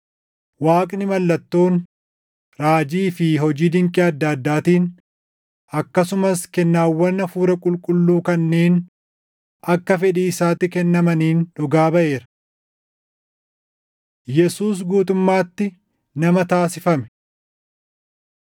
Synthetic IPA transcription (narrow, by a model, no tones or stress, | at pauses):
waːkʼnɪmɐlːɐt̪ːo̞ːn | ɾaːd͡ʒiːfɪɦɔd͡ʒiːd̪ɪŋkʼɪɐd̪ːɐːd̪ːaːt̪iːn | ɐkːɐsʊmɐskɛnːaːwːɐnːɐfuːɾɐkʼʊlkʼʊlːuːkɐnːeːn | ʔɐkːɐfɛᶑiːɪsaːt̪ːɪkɛnːɐmɐniːnᶑʊɡaːbɐʔe̞ːɾɐ̥ | jɛsuːs̬ɡuːt̪ʊmːaːt̪ːɪ | nɐmɐt̪aːsɪfɐmɛ̥